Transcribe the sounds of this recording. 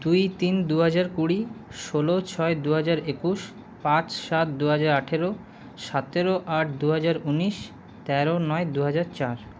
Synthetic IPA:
d̪ujt̪ind̪uɦad͡ʑaɾkuɽiʃolot͡ɕʰɔed̪uɦad͡ʑaɾekuʃ | pãt͡ɕʃat̪̚d̪uɦad͡ʑaɾaʈʰeɾo | ʃat̪eɾoʔaʈ̚ʰd̪uɦad͡ʑaɾuniʃ | t̪ɛɾonɔed̪uɦad͡ʑaɾt͡ɕaɾ

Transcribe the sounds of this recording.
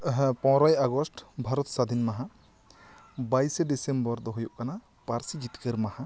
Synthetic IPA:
pɔ̃wɾɔjaɡɔsʈbʱaɾɔt̪sad̪ʱinmaɦa | bajseɖisembɔɾd̪ɔɦɔjoʔkana | paɾsid͡ʒitkeɾmaha

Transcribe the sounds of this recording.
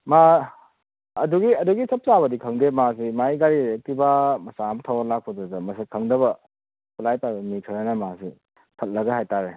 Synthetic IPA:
ma | duɡiɐduɡisɐp̚saβɐdikʰɐŋdemasimajɡaɾiek̚tibamɐsamtʰawlak̚pʰɔdɾɐzɐmɐsekʰɐŋdɐbɐ | kʰulajpajbɐmikʰaɾanɐmasi | pʰɐt̚lɐɡɐɦajtaɾe

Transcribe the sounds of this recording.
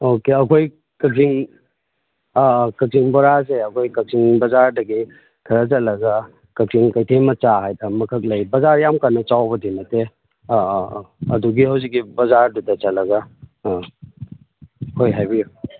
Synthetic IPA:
okeɐkʰoj | kɐk̚siŋ | kɐk̚siŋbɔɾaseɐkʰojkɐk̚siŋbɐzaɾdɐɡi | kʰɐɾɐt͡ʃɐtlɐɡɐ | kɐk̚siŋkɐjtʰemɐt͡ʃaɦajdɐmɐkʰɐk̬̚lɐjbɐzaɾjamkanɐt͡ʃawbɐdinɐte | ɐduɡihɐwzik̚ːibɐzaɾdudɐt͡ʃɐt̚lːɐɡɐ | hojɦajbiju

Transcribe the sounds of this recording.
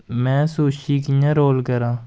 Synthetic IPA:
mɛ̃ːsoːʃiːkɪjãːɾoːlkəɾãː

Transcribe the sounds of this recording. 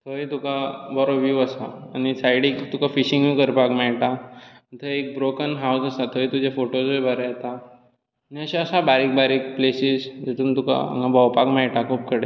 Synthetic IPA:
t̪ʰəjt̪ukabɔɾoʋjuəsaːñisajɽikt̪ukafiɕiŋikəɾpakmɛɭʈa | t̪ʰəjek̚bɾokənɦawsəsat̪ʰəjt̪ud͡ʑafoʈod͡zojbʱəɾat̪aː | niəɕaəsabaɾik̚baɾik̚plesisd͡ʑet̪uːnt̪uka̰ŋɡabʱɔwpakmɛɭʈakʰop̚kəɽe

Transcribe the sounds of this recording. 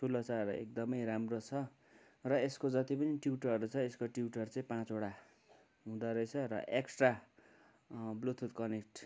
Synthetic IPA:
sʰulʌt͡saɾṵḛk̚d̪ʌmʌjramrot͡sʰʌ | rʌeskod͡zʌt̪ipʌniʈjuuʈʌʌɾut͡sʰʌeskoʈjiuʈʌrt͡saĩpãt͡soɽa | ɦũd̪aɾʌjt͡sʰʌrʌ̰ʔeksʈra | blut̪ʰut̪̚kʌnek̚ʈ

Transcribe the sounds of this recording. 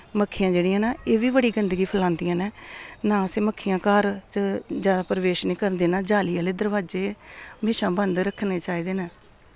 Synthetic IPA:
məkʰːɪjãːd͡ʒeːɽɪjãːnaːeːʋiːbəɽiːɡənd̪ɡiːpʰəlãːnd̪ɪjãːneːnãːseːməkʰːɪjãːkaːɾt͡ʃəd͡ʒjaːd̪aːpɾəʋeːʃnĩːkəɾənd̪eːnaːd͡ʒaːlijaːleːd̪əɾʋaːd͡ʒeːmeːʃãːbənd̪ɾəkʰːneːt͡ʃaːiːd̪eːnãː

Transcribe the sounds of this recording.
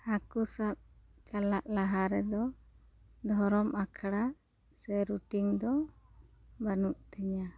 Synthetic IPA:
akusap̚t͡ʃalaʔlaɦaɾɛd̪ɔ | d̪ʱɔɾɔmʔakʰaɽa | sɛɾuʈiŋd̪ɔ | banuʔt̪ɛɲa

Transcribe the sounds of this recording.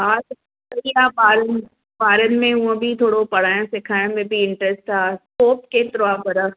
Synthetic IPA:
ɦaːs | ɐiaːbaːɾən | baːɾənmẽɦũə̃bʱit̪ʰoːɽopɐɽaːjõsɪkʰaːjõmẽbʱiɪɳʈɾɛsʈtaːskoːp̚ket̪ɾoaːbɐɾə

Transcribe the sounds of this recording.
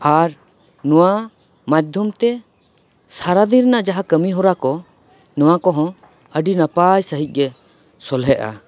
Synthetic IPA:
aɾ | nɔwa | mad̪ʱjɔmt̪ɛ | saɾad̪iɾnaʔd͡ʒaɦakəmiɦɔɾakɔ | nɔwakɔɦɔ̃ | əɖinapajsəɦic̪̚ˀɡɛ | sɔlɦɛʔa̰

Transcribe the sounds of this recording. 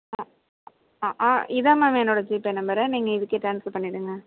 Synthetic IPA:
a | aʔaːʔɪðaːmaːmɛnːoːɽɐd͡ʒiːpɛnːɐmbɐɾɐniːŋɡɐɪðɯkːeʈɾaːnsfɐɾpɐɳːɪɽɯŋɡɐ

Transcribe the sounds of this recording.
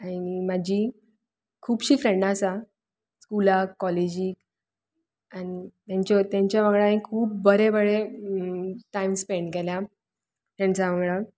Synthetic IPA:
aimad͡ʑʱiː | kʰuːbɕiːfɾeɳɖasa | skulakːɔled͡ʑiːk | añit̪jaɲt͡ɕɔt̪jãɲt͡ɕjaʋəɡɭaĩkʰuːp̚ːəɾebəɽe | ʈaimspeɳɖkelja | t̪jaɲɖt͡saʋəŋɡɭa

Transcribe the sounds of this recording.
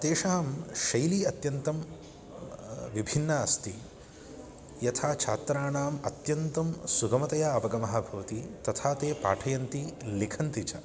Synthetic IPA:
t̪eːʂaːmʃɐjliɐt̪jɐnt̪ɐm | ʋibʱinːɐɐst̪i | jɐt̪ʰaːt͡ʃʰaːt̪ɾaːɳaːmɐt̪jɐnt̪ɐmsuɡɐmɐt̪ɐjaɐʋɐɡɐmɐɦɐbʱɐʋɐt̪it̪ɐt̪ʰaːt̪eːpa̰ːʈʰɐjɐnt̪ilikʰɐnt̪it͡ʃɐ

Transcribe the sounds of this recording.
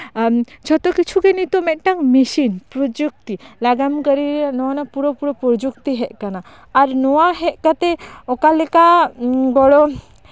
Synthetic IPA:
t͡ʃʰɔt̪ɔkit͡ʃʰukɛnit̪ɔmɛt̪̚ˀʈaŋmisinpɾɔd͡ʒuk̚t̪ilaɡamkəɾinɔanapuɾɔpuɾɔpɾɔd͡ʒuk̚t̪iɦɛt̚kanaː | ɾnɔwaɦɛt̪̚ˀkat̪ɛɔkalɛkabɔɽɔ

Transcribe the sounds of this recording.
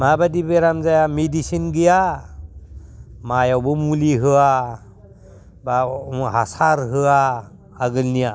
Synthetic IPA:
mabadibeɾamzajamidisinɡija | majawbɯmuliɦɯa | baɦasaɾɦɯaː | ɡɯlnija

